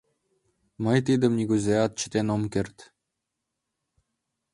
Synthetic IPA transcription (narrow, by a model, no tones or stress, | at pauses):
mə̆jt̪̬id̪ə̆mnʲiɡuzʲeɑt̪̚t͡ɕə̥̆t̪enomkʲert̪